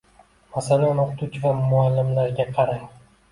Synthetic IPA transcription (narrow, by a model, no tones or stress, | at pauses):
masnanoqʊt̪ʰut͡ʃʰɪvamʊalːɪmlaɾɡʲaqʰɑɾa